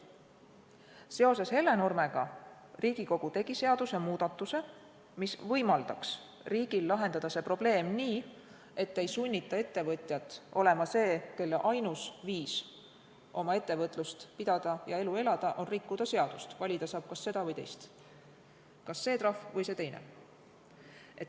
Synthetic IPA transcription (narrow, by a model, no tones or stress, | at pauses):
se̞o̞se̞she̞lːe̞no̞rme̞ɡ̥ɑ | riːɡ̥iko̞ɡ̥ut̪e̞ɡ̥ise̞ɑd̪̥use̞muːd̪̥ɑt̪ːˑuse̞ | misvɤjmɑld̪ɑks | riːɡ̥ilːɑɦe̞nd̪̥ɑd̪̥ɑse̞pro̞b̥le̞ːmniː | e̞t̪ːe̞jsunʲːit̪ːˑɑe̞t̪ːe̞vɤt̪ʲˑjɑt̪ːˑʔo̞le̞mɑse̞ːke̞lːeʔɑjnusviːs | ʔo̞mɑe̞t̪ːe̞vɤt̪ːˑlust̪pid̪̥ɑd̪̥ɑjɑe̞lue̞lɑd̪̥ɑʔo̞nrikːud̪̥ɑse̞ɑd̪̥ust̪vɑlʲid̪̥ɑsɑːb̥̚kɑsːe̞d̪̥ɑvɤjt̪e̞̰jst̪ | kɑsːe̞ːt̪rɑfvɤjse̞t̪e̞jnḛ | ʔet̪ː